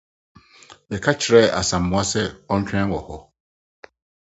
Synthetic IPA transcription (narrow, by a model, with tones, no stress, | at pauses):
bɛ˨kʰa˦t͡ɕʰɪ˨ɾɛ˦˨a̰˨sã˨m̩ː˨ʊ̃˦a˦sɛ˦ɔ̃˦ɲ̩˦t͡ɕʰᶣɛ̃˦wɔ˨hɔ˨